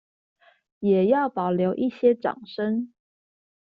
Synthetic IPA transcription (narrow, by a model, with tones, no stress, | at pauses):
jɛ˨˩jɑ˥˩ʊpɑ˨˩ʊljo˧˥ʊʔi˥˩ɕjɛ˥ʈ͡ʂɑ̰˨˩ŋʂə˥ŋ